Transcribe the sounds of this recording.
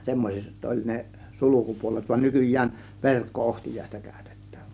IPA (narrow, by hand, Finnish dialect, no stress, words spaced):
semːosʲet olʲ ne sulukupuolet ʋɑn nykyjˑæːn ʋerkːoohtijˑɑˑe̝stɑ kæˑø̥̝te̥tːæ̥ːʋ̥